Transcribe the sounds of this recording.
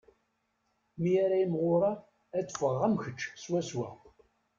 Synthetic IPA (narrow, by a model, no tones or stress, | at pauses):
mijaɾæimʁoɾˤɑ | æt͡sːfəʁːæmçət͡ʃːswæswæ̰